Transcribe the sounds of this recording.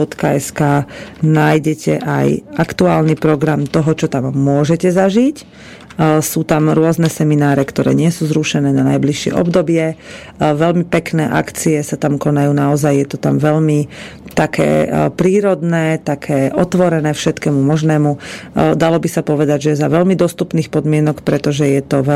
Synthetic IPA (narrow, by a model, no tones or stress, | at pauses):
ɔt̪kaɛskaːnaːjɟɛcʰɛ̰ʔa̰jakt̪uaːlnipɾɔɡɾamt̪ɔɦɔt͡ʃɔt̪amːʊɔʒɛcɛzaʒic | suːt̪amɾʊɔznɛsɛminaːɾɛkt̪ɔɾɛ̰ːɲɪɛsuːzɾuʃɛnɛːnanajbliʃɪɛ̰ʔɔ̰bd̪ɔbɪɛ | ʋɛlmipɛknɛːʔa̰kt͡sijɛsat̪amkɔnajuːnaɔzajjɛt̪ɔt̪amʋɛʎmit̪akʰɛ̰ːpɾiːɾɔd̪nɛːt̪akʰɛːʔɔt̪ʋɔɾɛnɛːfʃɛt̪kɛːmumɔʒnɛːmud̪alɔbisapɔʋɛd̪aɟʒɛzaʋɛʎmid̪ɔst̪upniːxpɔd̪mɪɛnɔkpɾɛt̪ɔʒɛjɛt̪ɔʋɛ